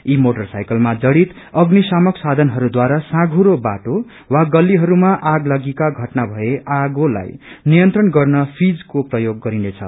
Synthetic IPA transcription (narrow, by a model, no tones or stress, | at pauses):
imoʈʌrsajkʌlmad͡zʌɽit̪ | ʌɡnisamʌksad̪ʱʌnɦʌɾud̪waɾasãɡʱuɾobaʈo | waɡʌlːiɦʌɾumaʔaɡlʌɡikaɡʱʌʈnabʱʌeʔaɡola̰jnijʌnt̪rʌnɡʌrnʌpʰid͡zkoprʌjoɡːʌɾinet͡sʰʌ̰